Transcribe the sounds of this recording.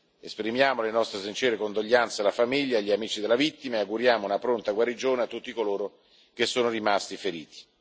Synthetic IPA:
espɾimjaːmolenɔst̪ɾes̬int͡ʃɛːɾekond̪oʎːant̪selafamiʎːaːʎːiamiːt͡ʃid̪elavit̪ːimaeaɡuɾjaːmounapɾont̪aɡwaɾid͡ʒoːneat̪ːut̪ːikoloːɾo | kesːoːnorimast̪ifeɾḭːt̪i̥

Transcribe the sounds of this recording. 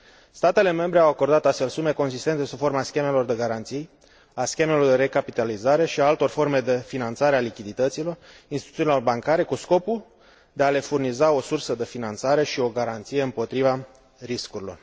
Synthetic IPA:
st̪at̪e̞le̞me̞mbɾe̞awako̞rd̪at̪ast̪fe̞lsume̞ko̞ns̬ist̪ent̪e̞sufo̞rmaskʲe̞me̞lo̞rd̪e̞ɡaɾant̪sij | askʲe̞me̞lo̞rd̪eɾe̞kapit̪alizaɾe̞ʃiaalt̪o̞rfo̞rme̞d̪e̞finant̪saɾealikʲid̪it̪ət̪silo̞rinst̪it̪u̥iunilo̞rbaŋkaɾe̞kusko̞pul | d̪e̞ale̞furnizao̞sursəd̪e̞finant̪saɾe̞ʃio̞ɡaɾant̪sijeɨmpo̞t̪ɾiva | ɾiskuɾilo̞r

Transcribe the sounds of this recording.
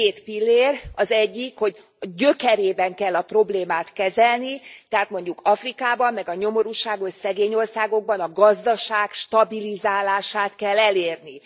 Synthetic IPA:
eːt̪pilːeːrɒzɛɟːikho̞ɟ | ɟø̞kɛɾeːbɛŋkɛlːɒpro̞bleːmaːt̪kɛzɛlnit̪ɛɦaːt̪mo̞ɲɟukɒfrikaːbɒmːɛɡɒɲo̞mo̞ɾuʃaːɡo̞sɛɡeːɲo̞rsaːɡo̞ɡ̚bɒnɒɡɒzd̪ɒʃaːkʃt̪ɒbilizaːlaːʃaːt̪kɛlːɛleːrni

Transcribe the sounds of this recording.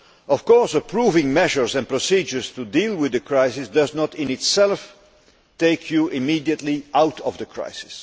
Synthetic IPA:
ɔv̥kɔɹsəpʰɹuːvɪ̃ŋmɛʒəɹzɛ̃npɹɔsid͡ʒəɹstudiːlˠwɪðəkʰɹaɪsɪsdʌznətɪ̃nɪtsɛlˠf | teɪkʰjuʔɪmidiətˡliʔawtʰɔvðəkʰɹa̰ɪsɪ̥s

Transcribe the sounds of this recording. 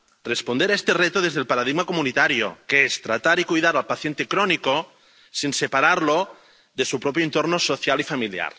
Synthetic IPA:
respond̪eɾaest̪eret̪oðezðelpaɾaðiɣmakomunit̪aɾjo̰keest̪ɾat̪aɾikujðaɾalpaθjent̪ekɾoniko | sinsepaɾaɾlo | ðesupɾopjoent̪oɾnosoθjalifamilja̰ɾ

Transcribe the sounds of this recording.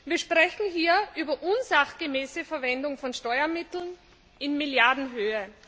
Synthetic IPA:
viːɐʃpʁ̥ɛçn̩ɦiːɐʔyːbɐʔʊnzaχɡ̥emeːsəfɛɐvɛndʊŋfɔnʃtɔʏɐmɪtl̩n | ɪnmɪljaɐdn̩ɦøːə

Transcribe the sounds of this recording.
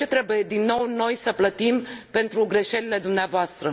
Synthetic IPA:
e̞t̪ɾe̞buje̞d̪inːo̞wno̞jsəplət̪impe̞nt̪ɾuɡɾe̞ʃe̞lile̞d̪umneavoast̪ɾə

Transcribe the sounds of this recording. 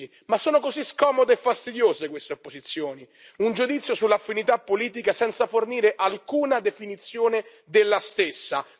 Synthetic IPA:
i | masːɔːnʊkoziskɔːmod̪eɛfːast̪id̪joːzekwest̪eopːozit̪sːjoːni | und͡ʒud̪it̪sːjosulːaːfːinit̪apːoliːt̪̬ikasɛnt̪saforniːɾeʔalkuːnad̪efinit̪sːjoːnɪ | d̪elːast̪esːa

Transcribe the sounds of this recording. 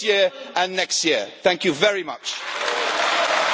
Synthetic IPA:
jɪəɹʔə̃nːɛkstjɪəθæ̃ŋkjɨvɛɹimʌ̰t͡ʃ

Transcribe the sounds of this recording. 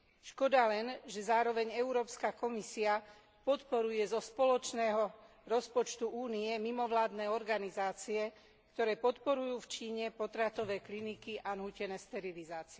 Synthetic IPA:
ʃkɔd̪alɛnʒɛzaːɾɔʋɛɲɛuɾɔːpskakɔmisia | pɔt̪pɔɾujɛzɔspɔlɔt͡ʃnɛːɦɔ | ɾɔspɔt͡ʃt̪uʔuːniɛmimɔʋlaːd̪nɛːɔɾɡanizaːt͡siɛ | kt̪ɔɾɛːpɔt̪pɔɾujuːft͡ʃiːɲɛpɔt̪ɾat̪ɔʋɛːklinikiʔanɦucɛnɛːst̪ɛɾilizaːt͡siɛ

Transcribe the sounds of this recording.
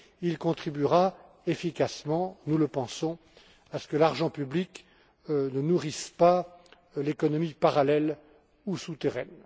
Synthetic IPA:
ilkɔ̃t̪χibyʁa | efikasmɑ̃nuləpɑ̃sɔ̃ | asə̥kəlaʁʒɑ̃pyblik | nənuʁispa | lekɔnɔmipaʁalɛl | usut̪eʁɛn

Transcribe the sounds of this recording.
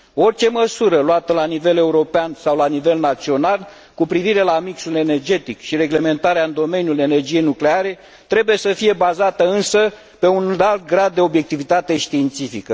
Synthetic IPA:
o̞rt͡ʃe̞məsuɾəloat̪əlanive̞le̞uɾo̞peansawlanive̞lnat̪sio̞nal | kupɾiviɾe̞lamiksule̞ne̞rd͡ʒe̞t̪ikʃiɾe̞ɡle̞me̞nt̪aɾeaɨnd̪o̞me̞njule̞ne̞rd͡ʒije̞jnukleaɾe̞ | t̪ɾe̞buje̞səfije̞bazat̪əɨnsə | pe̞unalt̪̚ɡɾad̪̚ːe̞obje̞k̚t̪ivit̪at̪e̞ʃt̪iːnt̪sifikə

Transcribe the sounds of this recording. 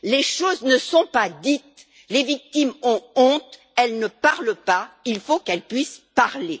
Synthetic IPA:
leʃoznəsɔ̃pad̪it̪ | levik̚t̪imɔ̃ɔ̃t̪ | ɛlnəpaʁlpailfokɛlpɥispaʁle

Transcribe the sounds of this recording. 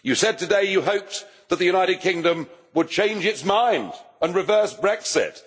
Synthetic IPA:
jɨsɛd̚tʰɨdeɪjɨɦoʊp̚ðɨt̪̚ðɨjʉɾ̃aɪɾɨd̚kʰɪ̃ŋdɨ̃m | wəd̚t͡ʃʰẽɪ̃nd͡ʒɨtsmãɪ̃ndə̃nɹɨvɜ˞sb̥ɹɛksɪ̰t̚

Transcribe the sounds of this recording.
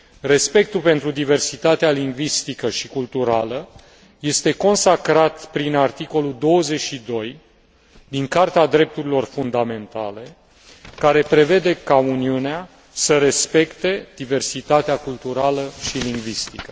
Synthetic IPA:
re̞spe̞k̚t̪upe̞nt̪ɾud̪ive̞rsit̪at̪ealiŋɡvist̪ikəʃikult̪uɾalə | je̞st̪e̞ko̞nsakɾat̪pɾinart̪iko̞lud̪o̞wəze̞ʃid̪o̞j | d̪iŋkart̪ead̪ɾe̞p̚t̪uɾilo̞rfund̪ame̞nt̪a̰le̞ | kaɾe̞pɾe̞ve̞d̪e̞kauniunea | səɾe̞spe̞kt̪e̞d̪̥ive̞rsit̪at̪eakult̪uɾaləʃiliŋɡvist̪i̥kə

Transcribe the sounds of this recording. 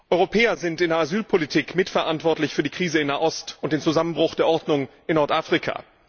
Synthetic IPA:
ʔɔʏʁopʰɛːɐzɪntɪndeːɐʔazyːlpʰolitʰiːkmɪtfɛɐʔantv̥ɔɐtlɪçfyːɐdiːkʁ̥iːzəɪnːaːʔɔstʊnt̚d̥eːnt͡suzamənbʁʊxd̥eːɐʔɔɐdnʊŋ | ɪnːɔɐtʔaːfʁ̥ikʰa̰ː

